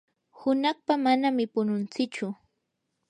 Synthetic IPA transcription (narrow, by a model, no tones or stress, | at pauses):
hʊnɑχpamanamɪpʊnʊnt͡sɪt͡ʃʊ